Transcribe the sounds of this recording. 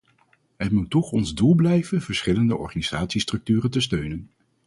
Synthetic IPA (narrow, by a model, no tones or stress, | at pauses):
ɦətmutːɔχɔnzdulˠblɛjvənv̥əɹsχɪləndəʔɔ̰ɹχaniz̥aːtsistrɵk̚tyːrəntəstøɥnən